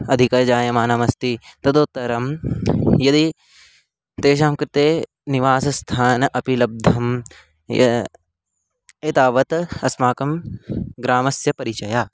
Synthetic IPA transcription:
ɐd̪ʱikɐd͡ʒaːjɐmaːnamɐst̪it̪ɐd̪oːt̪ːɐɾɐm | jɐd̪i | t̪eːʃ̬aːmkɾt̪eː | niʋaːsɐst̪ʰaːnʔɐpilɐb̚d̪ʱɐm | jɐ̰ | eːt̪aːʋɐt̪ɐsmaːkɐmɡɾaːmɐsjɐpɐɾit͡ʃɐjaː

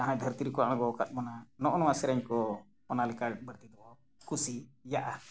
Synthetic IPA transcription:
t̪ãɦãɛd̪ʱəɾt̪iɾikuaʔãɡɔkat̪̚mananɔʔɔnɔwasɛɾɛɲkɔ | ɔnalɛkaɾʈ̚bəɾt̪id̪ɔʔɔ | kʰusijaʔa

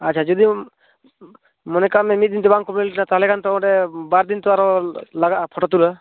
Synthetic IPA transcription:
at̚ːt͡ʃʰad͡ʒɔd̪i | mɔnɛkamɛmit̪̚d̪int̪ɛbaŋkɔbnlʈnat̪alɛkʰant̪ɔɔ̃ɾɛbaɾd̪int̪ɔaɾɔlaɡaʔpʰɔʈɔt̪ula

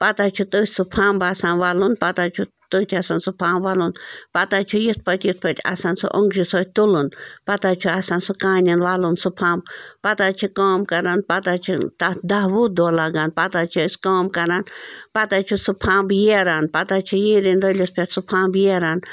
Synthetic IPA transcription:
pɐt̪at͡ʃʰut̪əːsʲsupʰãːmbasaːnʋaːlunpɐt̪at͡ʃʰu | t̪əːt̪ʲʰasansupʰãːmbʋaːlunpɐt̪at͡ʃʰujit̪̚ʰpɐt̪ʲjit̪̚pɐt̪ʲɐ̰sansṵʔoŋɡd͡ʒusoːt̪ulunpɐt̪at͡ʃʰuasansukaːnʲinʋaːlunsupʰãːmbpɐt̪at͡ʃʰikaːmkɐɾanpɐt̪at͡ʃʰḭt̪ad̪aɦʋuːd̪oːlaɡanpɐt̪at͡ʃʰosʲkaːmkɐɾanpɐt̪at͡ʃʰusupʰãːmbjeɾaːnpɐt̪at͡ʃʰijiːɾinɾəlʲispʰʲetsupʰãːmbjeɾaːn

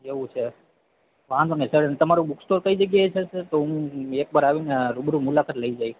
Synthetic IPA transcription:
eʋũt͡ʃʰe | ʋãd̪onesəɽenet̪əmaɾũbuksʈoɾkəid͡ʒəɡjajt͡ʃʰeet̪oũek̚bəɾaʋinaɾubɾũmulakat̪ləid͡ʒaj

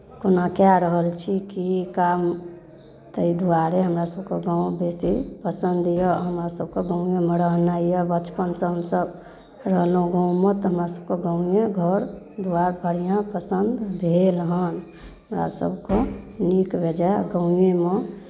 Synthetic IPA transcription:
konakjaɾəɦəlt͡ʃʰikikam | t̪əid̪uaɾeɦəmɾasəbkeɡãũbesipəsənd̪jɔɦəmɾasəb̚koɡəʊ̃jemeɾəɦnaijəbət͡ʃpənsə̃ɦəmsəb | ɾəɦlɦũɡaũmẽt̪ɔɦəmɾasəb̚koɡaʊ̃jeɡʱəɾ | d̪uaɾbʱəɽijãpəsənd̪bʱelɦən | ɦəmɾa̰sə̰bkonikbʱed͡ʒaɡə̃ʊ̃jeme

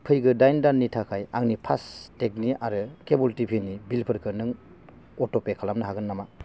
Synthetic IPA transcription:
pʰɯjɡɯdajndanːitʰakʰajaŋnipʰastek̚niaɾɯkebultipʰinibilpʰɯɾkʰɯnɯŋ | ɔtɔpekʰalamnɯɦaɡɯnːama

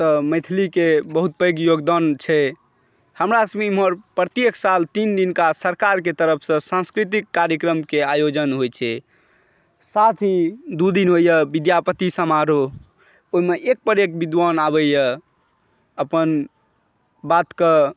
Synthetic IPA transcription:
t̪ɔmet̪ʰilikebəɦut̪̚pəjɡjoɡd̪ant͡ʃʰɛ | həmɾasəmimɦəɾpɾət̪jeksalt̪ind̪inkasəɾkaɾk̬et̪əɾəpʰsə̃sãnskɾit̪ikːaɾjəkɾəmkeajod͡ʒənɦojt͡ʃʰɛ | sat̪ʰid̪ud̪inɦojjəbid̪japət̪isəmaɾo | oɦimeʔek̚pəɾekbid̪wanabəjə | əpən | bat̪kə

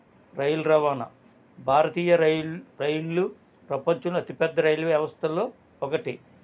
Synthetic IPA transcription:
ɾɐjulɾɐʋaːnɐ̰ | bʱaːɾɐt̪iːjɐɾɾɐjlːu | pɾɐpɐɲt͡ʃuluɐt̪ipɛd̪ːɐɾɐjlɐʋjɐʋɐst̪ʰɐlo̞ː | ɔkɐʈi

